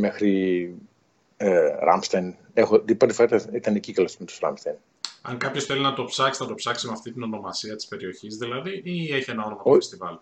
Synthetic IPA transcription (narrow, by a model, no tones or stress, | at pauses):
me̞xɾi | eɾɐ̰mst̪ɐjn | exot̪ipɾot̪e̥foɾaɐt̪ɐit̪ɐnecikɐlosmet̪u̥sɾɐ̰mst̪ɐjn | ɐŋkɐpço̞sθe̞linɐt̪o̞psɐksnɐt̪o̞psɐksemeɐft̪it̪ino̞no̞mɐsiɐt̪i̥spe̞ɾio̞çizðilɐðiieçie̞nɐonomst̪ivɐli